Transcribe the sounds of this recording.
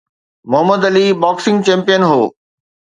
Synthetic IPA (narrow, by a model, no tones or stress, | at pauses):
mʊɦəməd̪ɐliːbaːksɪ̃ŋɡt͡ɕɛ̃ːmpijənɦoː